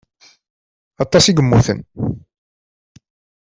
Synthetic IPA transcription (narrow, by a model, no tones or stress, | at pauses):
ɑt̪ˤːɑsiɡəmːuθə̰n